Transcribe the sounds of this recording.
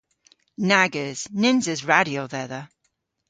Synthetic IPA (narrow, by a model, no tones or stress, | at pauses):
naɡəz̥nɪ̃nzɪzɹaɾioðɛðə